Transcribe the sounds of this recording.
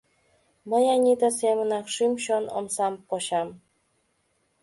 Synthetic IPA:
məjɑnʲid̪əsemənɑkʃymɕono̰msɑmpoɕɑm

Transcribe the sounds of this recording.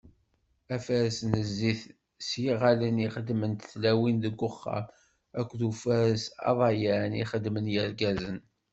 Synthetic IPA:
æfæɾəsnəzːiθ | sjiʁaləniχəd̪mənt̪θlæwinðəɡʷːʊχːɑ̰m | ækʷːðufæɾəsɑ̰ðˤɑjæɾnḭχəd̪mənjəɾɡæzən

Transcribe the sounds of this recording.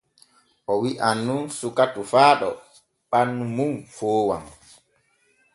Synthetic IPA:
ʔɔwiʔanːunsukatufaːɗɔ̰ | ɓanːumumfoːwa̰m

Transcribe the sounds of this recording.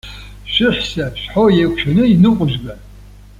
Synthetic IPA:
ʃʷɪħsaɕʷᶣħojekʷʰʃʰɐnɨinɨqʷʼʊʒɡan

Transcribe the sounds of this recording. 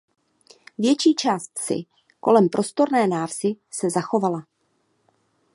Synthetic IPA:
vjɛt͡ʃiːt͡ʃaːst̪sɪ̰ | ko̞lɛmpɾʔo̞st̪o̞ɾnɛːnaːrzɪsɛzaxo̞vala

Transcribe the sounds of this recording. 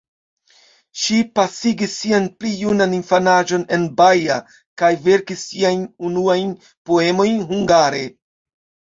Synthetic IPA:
ʃipasiɡisːianplijunaninfanaʒo̞ne̞nbaja̰ | kajve̞ɾkisːiajnunuajn | po̞e̞mo̞jnɦuŋɡaɾe̞

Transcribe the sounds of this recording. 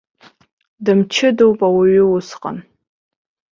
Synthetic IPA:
dɨmt͡ʃʰɪdowpʼawaɥʏwʊsqʼa̰n

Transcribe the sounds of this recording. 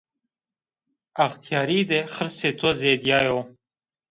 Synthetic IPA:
axt̪ʰjɑːɾid̪exəɾset̪ʰozed̪jɑːjoː

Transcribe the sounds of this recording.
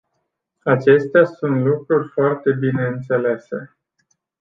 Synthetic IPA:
at͡ʃe̞st̪easunt̪lukɾurʲfoart̪e̞bine̞ɨnt̪se̞le̞se

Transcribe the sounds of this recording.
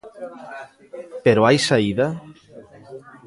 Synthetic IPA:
peɾoajsaiða

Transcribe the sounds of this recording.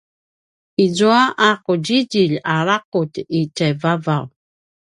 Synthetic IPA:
izuaʔaquɟiɟiʎaɾaquticajvavaw

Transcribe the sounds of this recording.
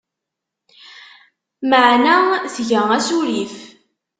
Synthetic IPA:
məʕnaθʝəæsuɾif

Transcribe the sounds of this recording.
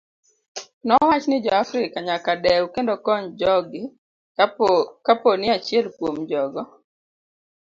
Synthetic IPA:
nɔwat͡ʃnɪd͡ʒɔafɾɪkaɲakadɛwukendɔkɔɲd͡ʒɔɡɪ | kaponɪat͡ʃiɛlkwomd͡ʒɔɡɔ

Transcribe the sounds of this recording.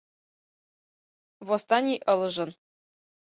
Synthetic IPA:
βost̪ɑnʲijʔɤ̆lˠɤ̆ʒɤ̆n

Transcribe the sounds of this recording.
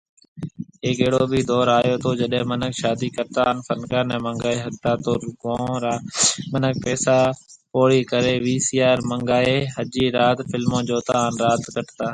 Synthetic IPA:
ɦeːkeːɽoːbʱiːd̪ɔːɾaːjoːt̪ʰoːd͡ʒəɗɦẽːmənəkʃaːd̪iːkəɾt̪aːɦnfənkaːnɛ̃ːmə̃ŋɡaːeːɦək̚t̪aːt̪oːɾɡõːɾaːmənək̚pɛːsaː | poːɽiːkəɾeːʋiːsijaːɾməŋɡaːeɦəd͡ʒiːɾaːt̪fɪlmõːd͡ʒoːt̪aːɦnɾaːt̪kəʈt̪aː

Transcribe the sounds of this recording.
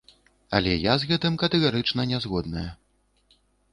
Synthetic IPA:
ɐ̰lʲɛjazɣɛt̪ɨmkɐt̪ɛɣaɾɨt͡ʂnɐnʲɛzɣɔd̪̚nɐjɐ

